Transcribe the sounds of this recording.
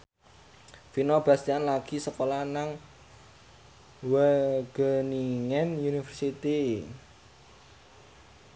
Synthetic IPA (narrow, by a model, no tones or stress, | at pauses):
finɔb̥a̤st̪ianlaɡ̥i̤səkolanaŋ | wəɡ̥əniŋɛnunifərsit̪i